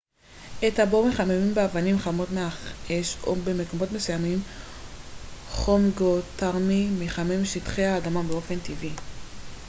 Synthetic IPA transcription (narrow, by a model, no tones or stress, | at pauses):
ʔetabomeχamemimbeavanimχamo̞tmeaχeʃo̰be̞me̞ko̞mo̞tme̞sujamim | χomɡotaʁmimeχamemʃitχehaːdamabeo̞fe̞ntivi